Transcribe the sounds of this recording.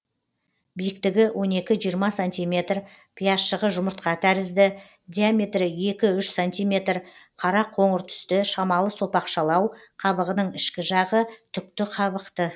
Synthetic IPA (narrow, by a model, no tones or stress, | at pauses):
bijɪk̚t̪ɪɡʲɪwʔo̞ne̞kʲɪʒijəɾmɑsant̪ijmʲe̞t̪r | pʰijazʃəʁəʒʊməɾt̪̚qɑt̪ʰæɾɪzd̪ɪ | d̪ʲijamʲe̞t̪rɪje̞kʲɪʏʃsant̪ijmʲe̞t̪rqʰɑɾɑqʰo̞ɴəɾt̪ʰʏ̥st̪ɪʃɑmɑlˠəso̞pɑqʃɑlˠɑwqʰɑβəʁənəɴɪʃkʲɪʒɑʁət̪ʰʏk̚t̪ɪqʰɑβəqt̪ə